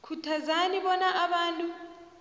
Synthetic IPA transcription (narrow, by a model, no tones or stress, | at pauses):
kʰutʰazaniɓɔnaʔaɓaːntʼu